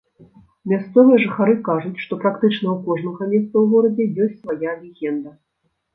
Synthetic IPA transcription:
mʲast̪sɔvɨjɐʐɨxaɾɨkaʐut͡sʲʂt̪ɔpɾakt̪ɨt͡ʂn̪ɐwkɔʐnɐɣɐmʲɛst̪sɐwɣɔɾɐd͡zʲɛjɔsʲtʲsvajavʲɛɣʲɛnd̪ɐ

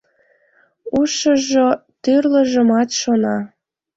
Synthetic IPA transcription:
uʃəʒot̪yrləʒə̆mɑt̪ʃonɑ

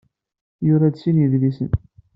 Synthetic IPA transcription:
jʊɾˤɑd̪sinjiðlisə̰n

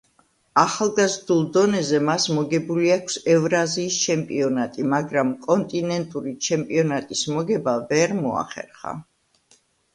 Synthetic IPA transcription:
aχalˠɡazɾd̪ulˠd̪ɔnɛzɛmasmɔɡɛbuliakʰsɛvɾaziːst͡ʃʰɛmpʼiɔnat̪ʼimaɡɾamkʼɔnt̪ʼinɛnt̪ʼuɾit͡ʃʰɛmpʼiɔnat̪ʼismɔɡɛbavɛɾmɔa̰χɛ̰ɾχa̰

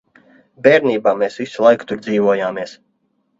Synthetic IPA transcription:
bʲeːɾniːbaːmeːsvisulˠajkt̪uɾd̪ziːvɔɔjaːmiɛs

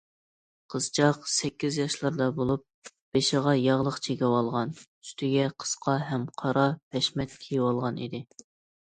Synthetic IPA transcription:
qʰəz̥t͡ʃʰɑqsɛkʲːizjɑʃlˠɑɾd̪ɑbolˠup̚ | b̥eʃɪʁɑjɑʁlˠəqt͡ʃʰekʲɛwɑlˠʁɑny̥st̪ʰɪɡʲɛqʰə̥sqʰɑɦɛmqʰɑɾɑpʰɛʃmɛt̪̚kʲʰejɪwɑlˠʁɑnḭd̪ɪ

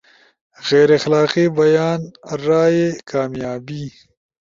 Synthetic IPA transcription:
ɣeːɾexlaːqibɐjaːnɾaːjekaːmjaːbi

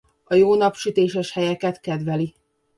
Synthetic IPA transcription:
ɒjoːnɒpʃyt̪eːʃɛʃhɛjɛkɛt̪kɛd̪ʋɛli

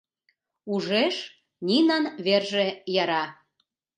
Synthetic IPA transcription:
uʒeʃ | nʲinɑnβerʒejɑɾɑ

